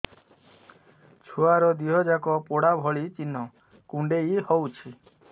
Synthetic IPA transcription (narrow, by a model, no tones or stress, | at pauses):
t͡ʃʰoaɾɔd̪iɦɔd͡ʒakɔpoɽabʱɔɭit͡ʃinːɔ | kuɳɖejihɔwt͡ʃʰi